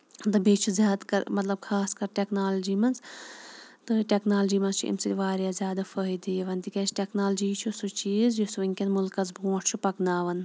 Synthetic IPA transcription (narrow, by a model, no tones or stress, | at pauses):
t̪ɨbiːt͡ʃʰuzʲjaːd̪kɐ̰ɾmɐt̪lɐb̚kʰaːskɐɾʈeknaːld͡ʒiːmɐnz | t̪ɨʈeknaːld͡ʒiːmɐnst͡ʃʰṵʔḭmsiʋaːɾjaːzʲjaːd̪afəɦid̪iʋɐnt̪ikɐːt͡ʃʰʈeknaːld͡ʒiːt͡ʃʰusut͡ʃiːzjusuiŋkʲɐnmulkɐzbũːʈʰt͡ʃʰupɐknaːʋɐn